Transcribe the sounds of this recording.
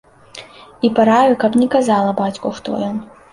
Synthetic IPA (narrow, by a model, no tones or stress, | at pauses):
ipaɾajukɐpnʲɛkazalˠɐbat͡sʲkuxt̪ɔ̰jɔn